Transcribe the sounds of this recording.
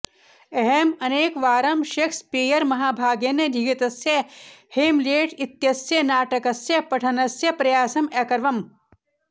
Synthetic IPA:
eɦemɐneːkʋaːɾɐmʃɐkspeːjɐɾmɐɦaːbʱaːɡjɐnɐdd͡ʒ̪ʱiɡɐt̪ɐsjɐheːmleːʈʰit̪jɐsjɐnaːʈɐkɐsjɐpɐʈʰɐnɐsjɐpɾɐjaːsɐmɛːkɐɾʋɐm

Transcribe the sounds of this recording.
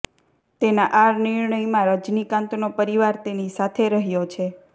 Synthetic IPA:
t̪enaʔaɾnɪɾɳəimãɾəd͡ʒnikãnt̪nopəɾiʋaɾt̪enisat̪ʰeɾəɦjot͡ʃʰe

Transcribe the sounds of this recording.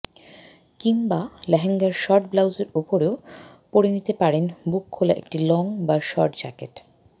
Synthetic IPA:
kiŋbalɛɦeŋɡaɾʃɔɾʈ̚blawd͡ʑeɾupoɾeo | poɾenit̪epaɾenbukʰːolaʔḛk̚ʈilɔŋbaʃɔɾʈd͡ʑa̰keʈ

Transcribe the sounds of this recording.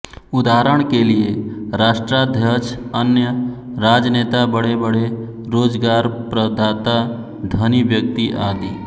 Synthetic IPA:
ʊd̪aɦɾəɳ̃kelieɾaːʃʈɾad̪ʱjət͡ʃənjə | ɾaːd͡ʒəneːt̪abəɽebəɽe | ɾoːd͡ʒɡaːɾpɾəd̪ʱaːt̪a | d̪ʱəniʋjək̚t̪iʔaːd̪i

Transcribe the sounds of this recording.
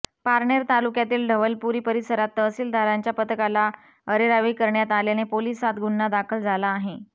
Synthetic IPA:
paɾɳeɾt̪alukjat̪iːlɖʱəʋəlpuɾiːpəɾisəɾat̪ːəsiːld̪ʱaɾaɲt͡ɕjapət̪əkala | əɾeɾaʋeikəɾɳjat̪aljanepolisat̪ɡunːad̪akʰəld͡zʱalaːɦe

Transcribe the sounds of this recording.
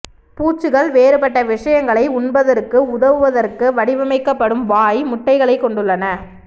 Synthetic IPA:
puːt͡ʃːɯɣɐɭʋeːɾɯpɐʈːɐʋɪʂɐjɐŋɡɐɭɐɪʊɳbɐðɐrkɯʊðɐʋɯʋɐðɐrkɯʋɐɽɪʋɐmɐɪkːɐpːɐɽɯmʋaːjmʊʈːɐɪɣɐɭɐɪkːɔɳɖɯɭːɐnɐ

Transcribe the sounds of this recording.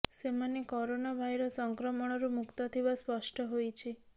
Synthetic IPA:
semanekɔɾonabʱajɾɔsɔŋkɾɔmɔɽ̃ɔɾumukt̪ɔt̪ʰibaspɔsʈɔɦojt͡ʃʰi

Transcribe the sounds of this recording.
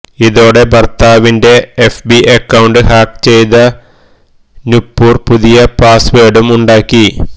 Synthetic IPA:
iðo̞ːɽe̞bɐrt̪aːʋinde̞efbiʔekːɐwɳɖɨhaːk̚t͡ɕe̞jt̪ɐ | nupːuːrpuðijɐpaːsʋeːɽumuɳɖaːkːi

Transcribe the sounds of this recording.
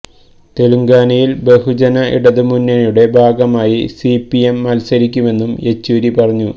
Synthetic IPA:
t̪e̞luŋɡaːnɐjilbe̞hud͡ʑɐnɐḭɽɐðɨmunːɐnuɽe̞bʱaːɡɐmaːjisipːiemːɐlsɐɾikʲːume̞nːume̞t͡ɕːuːɾipɐrɐɲːu

